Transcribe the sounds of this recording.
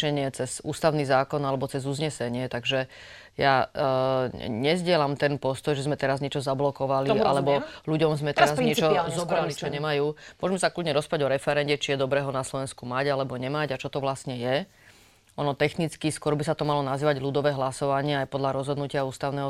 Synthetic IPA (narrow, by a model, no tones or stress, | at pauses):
ɛɲɪɛt͡sɛz̥ṵːst̪aʊniːzaːkɔnalɛbɔt͡sɛzuzɲɛsɛɲɪɛt̪aɡʒɛ | ja | ɲɛzɟɪɛlamt̪ɛnpɔst̪ɔjʒɛzmɛt̪ɛɾazɲɛt͡ʃɔzablɔkɔʋaliʔa̰lɛbɔluɟɔmzmɛt̪ɛɾaziɲɛt͡ʃɔzɔbɾalit͡ʃɔɲɛmajuːmʊɔʒmɛsakludɲɛɾɔspaɟɔɾɛfɛɾɛnɟɛt͡ʃijɛd̪ɔbɾɛːɦɔnaslɔʋɛnskumaɟalɛbɔɲɛmaɟat͡ʃɔt̪ɔʋlasɲɛjɛ | ʔɔnɔt̪ɛxnit͡skiskwɔɾbisat̪ɔmalɔnaziːʋaɟlud̪ɔʋɛːɦlasɔʋaɲɪɛajpɔd̪ʎaɾɔzɦɔd̪nucɪauːst̪aʊnɛːɦɔ